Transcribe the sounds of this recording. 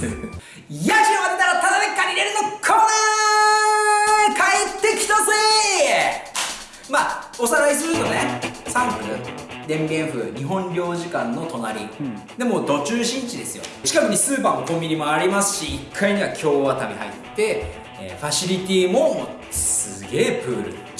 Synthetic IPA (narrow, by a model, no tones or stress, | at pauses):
jaʑiaβat̪ːaɾat̪ad̪anekːaɲʲiɾeɾɯ̟nokʰana | kʰaet̪ːe̞kʲi̥t̪ase | mao̞saɾaisɨɾɯ̟t̪o̞nesãmpɯ̟ɾɯ̟d̪ẽ̞mbʲẽ̞ɰ̃ɸɯ̟̰ːɲ̟iɦõ̞ɲɾʲo̞ːʑikãnːo̞t̪o̞naɾʲid̪e̞mo̞ːd̪o̞t͡ɕɨːɕĩɲ̟t͡ɕid̪e̞sɨjo̞̰t͡ɕi̥kakɯ̟ɲisɨːpaːmo̞komʲbʲiɲ̟imoaɾʲimasɨ̥ɕiːkʰːaiɲ̟iβakʲʰo̞ːβat̪amʲiɦa̰ḭt̪ːe̞ | ḛɸaɕiɾʲit̪ʲiːmo̞ | ssɨɡe̞ːpɯ̟ːɾɯ̟